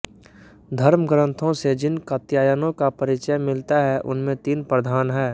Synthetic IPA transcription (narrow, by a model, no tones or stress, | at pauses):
d̪ʱɐɾməɡɾə̃nt̪ʰõsed͡ʒɪnkət̪jaːjənõkapɐɾɪt͡ʃəjmɪlt̪aɦɛʔʊ̰nmẽt̪iːnpɾəd̪ʱaːnɦɛː